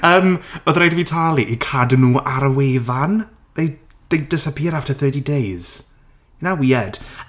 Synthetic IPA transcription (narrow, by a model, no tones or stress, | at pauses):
əːmɔðrajdəvitʰalˠiʔikʰadnuːʔaɾəweːðan | ðej | ð̥ejd̥əsapʰiːɾaftʰəθəːdidejz̥ | nawiːɛd̥